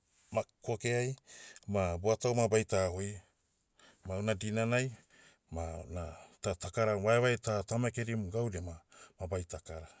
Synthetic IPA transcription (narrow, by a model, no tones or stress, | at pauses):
makokeajmaboatawmabajtahoj | mawnadinanaj | manatatakaɾawaewajtatamaekeɾimɡawɾemamabajtakaɾa